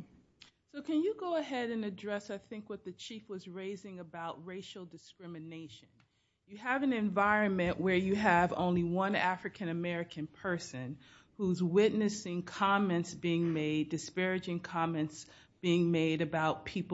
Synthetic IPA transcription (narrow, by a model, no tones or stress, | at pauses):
soʊkʰɨ̃njɨɡoʊəɦɛɾɨ̃nɨdɹɛsaɪθɪ̃ŋkwʌt̪̚ðɨt͡ʃʰifwʌzɹeɪzɪ̃ŋɨbaʊt̚ɹeɪʃl̩ˠdɨskɹɪ̃mɨneɪʃɨ̃n | jɨəvɨ̃nɨ̃ɱvaɪɹɨ̃nmɨ̃nʔwə˞jɨəvõ̰ʊ̃nliwʌ̃næfɹɨkʰɨ̃nɨmɛɹɨkʰɨ̃npʰɜ˞sɨ̃n | huzwɪʔⁿnɨsɪ̃ŋkʰɑmɛ̃ntsb̥iɪ̃ŋmeɪdɨspɛɹɨd͡ʒɪ̃ŋkʰɑmɨ̃nts | b̥iɪ̃ŋmeɪɾɨbaʊt̚pʰip